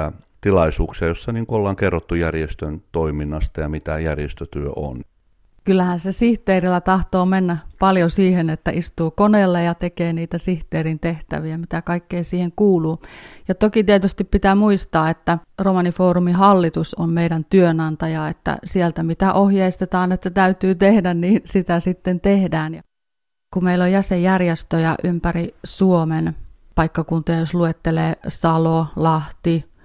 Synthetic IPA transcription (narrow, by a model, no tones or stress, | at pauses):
æt̪ilɑisuːksiɑjosːɑniːŋkoolːɑŋkerːot̪ːujærjest̪ønt̪oiminːɑst̪ɑjɑmit̪æjærjest̪øt̪yøʔo̰n | kylːæhænsesiht̪eːrilːˑæt̪ɑht̪oːmenːæpɑljosiːhenet̪ːæʔist̪uːkoneːlːejɑt̪ekeːniːt̪æsiht̪eːrint̪eht̪æ̰ʋiæmit̪ækɑikːeisiːheŋkuːluːjɑt̪okit̪iet̪yst̪ippit̪æːmuist̪ɑːet̪ːæromɑnifoːrumihɑlːit̪usommeiɾænt̪yønɑnt̪ɑjɑet̪ːæ̰sielt̪æmit̪æʔohjeist̪et̪ɑːnet̪ːæt̪æyt̪yːt̪ehdænniːnsit̪æsit̪ːent̪ehdæːnj | kumeilːojjæsejjærjest̪øjɑ̰ʔympærisuomen | pɑikːɑkunt̪ojɑjosluet̪ːeleːsɑlolɑht̪i